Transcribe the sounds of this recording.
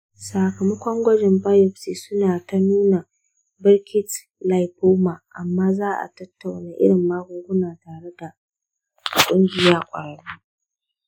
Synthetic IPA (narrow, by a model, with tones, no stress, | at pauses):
saː˨kɐ˨mɐ˦kʷɔ˦ŋɡʷɐ˦d͡ʒɪ˨mba˦jɔ˨ɸsiː˨sʊ˦naː˨ta˦nuː˦na˨ | bɪ˦rkʲɪ˦t | la˦˨jboː˦maː˨ʔa˨mːaː˦zaː˦ʔa̰˨tɐ˦tːa˨wnaː˨˦ʔɪ̰˦ɽɪ˨mːaː˦ɡʷʊ˦ŋɡʷʊ˦naː˨taː˨ɽe˦da˨ | kʷʼʊ˦ŋɡʲɪ˨jaː˦kʷʼɐ̰˨ɽɐ˨ɽu˦